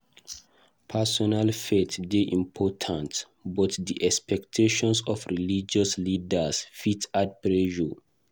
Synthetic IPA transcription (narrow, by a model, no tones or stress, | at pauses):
pʰasɔnalfetdeʔĩmpʰɔtʰãnt | bɔtdiʔɛkspɛktʰeʃɔ̃nsɔfɹilid͡ʒɔslidəsfitat̚pɹeʒu